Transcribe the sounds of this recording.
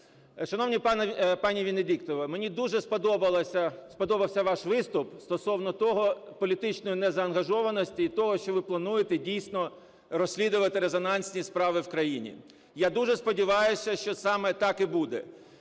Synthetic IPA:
ʃɐnɔwnʲipnpɑnʲiʋʲinedʲikt̪ɔʋɪmenʲid̪uʒɛspɔd̪ɔbɐlˠɐsʲɐspɔd̪ɔbɐwsʲɐʋɑʃʋɪst̪ʊpst̪ɔsɔwnɔt̪ɔɦɔpɔlʲit̪ɪt͡ʃnɔjʊnɛzɐːnɦɐʒɔʋɐnɔsʲtʲiːt̪ɔɦɔʃt͡ʃɔʋɪplˠɐnujet̪ɛdʲijsʲnɔ | ɾɔsʲlʲid̪ʊʋɐt̪ɪɾezɔnɑnʲsʲnʲispɾɑʋɪwkɾɐjinʲḭ | jad̪uʒɛspɔdʲiʋɑjʊsʲɐʃt͡ʃɔsɑmɛt̪ɑkibud̪ɛ

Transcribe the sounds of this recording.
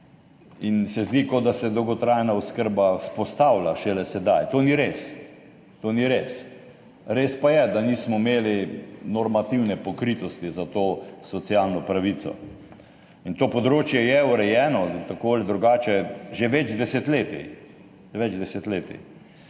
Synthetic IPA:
insɛzd̪ikod̪asɛd̪ɔwɡɔt̪ɾajnauskəɾbaspɔst̪awlaʃɛlɛsɛd̪ajt̪oːniɾes | t̪oniɾes | ɾeːspajɛd̪anismɔimeːlinɔɾmat̪iwnɛpɔkɾit̪ɔst̪izat̪oːsɔt̪sijalnɔpɾaʋit͡s̪ɔ̰ | int̪oːpɔd̪ɾoːt͡ʃjɛjɛuɾɛjɛːnɔt̪akoːld̪ɾuɡaːt͡ʃɛʒeʋɛd͡ʒd̪ɛsɛt̪leːt̪ḭ | ʋɛd͡ʒd̪ɛsɛt̪leːt̪ḭ

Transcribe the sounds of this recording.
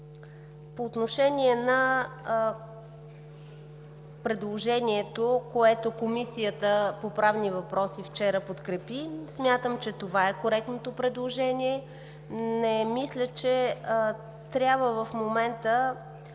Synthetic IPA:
poːt̪noʃɛniɛnə | pɾɛd̪lˠoʒɛniɛt̪okoɛt̪okomisijət̪əpopɾavnivɐpɾɔsift͡ʃɛɾəpot̪kɾɛpismʲjat̪əmt͡ʃɛt̪ovaɛkoɾɛk̚t̪not̪opɾɛd̪lˠoʒɛniɛ | nɛmislʲət͡ʃɛ | t̪ɾʲabvəvəfmomɛnt̪ə

